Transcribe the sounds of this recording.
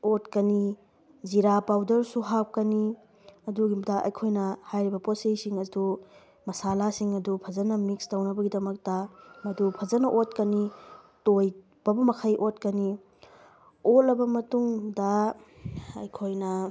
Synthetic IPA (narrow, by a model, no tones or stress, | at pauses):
otkɐni | ziɾapawdɐɾsuɦaw̚kɐni | ɐduɡidɐʔɐ̰jkʰojnɐhajɾibɐposejsiŋɐdu | mɐsalasiŋɐdupʰɐzɐnɐmikstɐwnɐbɐɡidɐmɐk̚tɐmɐdupʰɐzɐnɐʔot̚kɐnitoj | b̥ɐbɐmɐkʰɐjʔot̚kɐni | ot̚lɐbɐmɐtuŋdɐ | ɐ̰jkʰojnɐ